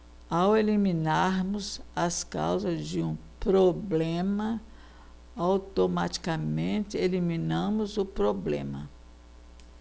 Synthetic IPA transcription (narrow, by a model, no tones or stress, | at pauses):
awelimĩnaɾmʊzɐska̰wzɐzd͡ʒɪũpɾoblẽmɐ | awt̪omat͡ʃi̥kɐmẽt̪ɪelimĩnɐ̃mʊzʊpɾoblḛ̃mɐ̰